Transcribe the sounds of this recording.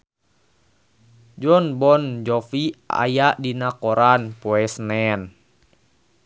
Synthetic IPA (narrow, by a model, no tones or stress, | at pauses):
d͡ʒɔnbɔnd͡ʒɔfia̰jaʔdinakɔɾanpɔɛsnɛn